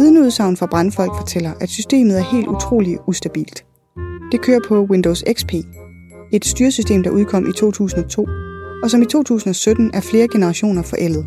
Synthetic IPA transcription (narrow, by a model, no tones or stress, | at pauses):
ʋiðˠnuð̞ˠsɑ̈ʊ̰n̩fʁɑ̈b̥ʁɑ̈nfɒ̽l̰ɡ̥fɒ̽t͡sʰel̰ɐʔæ̥sysd̥e̝̰ːmð̩ˠæɐhe̝̰ːld̥ut͡sʰʁo̝̰ːliusd̥æb̥ḭːld̥ | d̥e̝kʰøːɐpʰɒ̽wend̥ɔʊseɡ̥spʰe̝̰ː | e̝d̥sd̥yːɐsysd̥e̝̰ːmd̥ɑ̈ʔuð̞ˠkʰɒ̽mʔit͡sʰo̝̰ːt͡sʰṵːsn̩ɒ̽t͡sʰo̝̰ːɒ̽sɒ̽mit͡sʰo̝̰ːt͡sʰṵːsn̩ɒ̽sød̥n̩æɐfle̝ːɐɡ̥e̝nəʁɑ̈ɕo̝̰ːnɐfɒ̽ʔel̰ð̩ˠ